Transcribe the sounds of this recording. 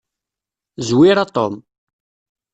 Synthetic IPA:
zwiɾat̪ˤom

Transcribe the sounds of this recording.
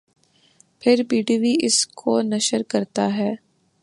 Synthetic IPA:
pʰɪɾpiːɖiːʋiʔɪskʰonɐʃəɾkɐɾt̪aɦɛː

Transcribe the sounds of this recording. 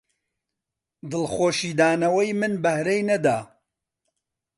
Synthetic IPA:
d̪ɨlˠχoːʃiːd̪aːnɐwɐjmɨnbɐhɾejnɐd̪aː

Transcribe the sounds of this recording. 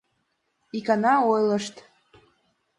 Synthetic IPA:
ikɑnɑojləʃt̪

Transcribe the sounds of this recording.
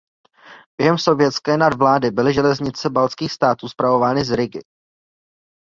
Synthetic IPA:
b̥jɛɦɛmso̞vjɛt̪t͡skɛːnadvlaːdɪbɪlɪʒɛlɛzɲɪt͡sɛbalt͡skiːxst̪aːt̪uːspɾavo̞vaːnɪzɾɪɡɪ̰

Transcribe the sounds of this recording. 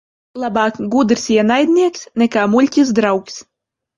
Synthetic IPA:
lˠabaːkɡud̪ɾsiɛnajd̪ʲnʲiɛksnɛkaːmulʲcʲis̬d̪ɾawks

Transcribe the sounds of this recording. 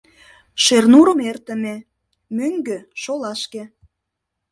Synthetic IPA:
ʃernuɾəmert̪əme | møŋɡøʃolɑʃke

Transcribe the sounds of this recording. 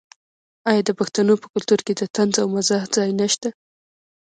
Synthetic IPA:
ɑjɑd̪əpaxt̪anopə̥kʊlt̪uɾked̪ət̪anzawmazɑhzɑjnaʃt̪a

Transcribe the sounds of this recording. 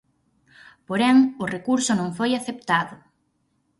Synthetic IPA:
poɾɛŋʊrekuɾsʊnõŋfojaθep̚t̪aðʊ

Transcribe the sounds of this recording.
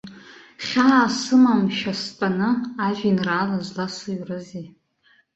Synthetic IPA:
χʲaːsɨmamʃᶣastʼanɨaʒᶣinraːlazlasɨɥrɨzi

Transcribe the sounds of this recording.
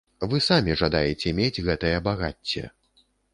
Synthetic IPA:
vɨsamʲiʐad̪ajɛt͡sʲɛmʲed͡zʲɣɛt̪ɐjɐbaɣa̰t͡sʲːɛ̰

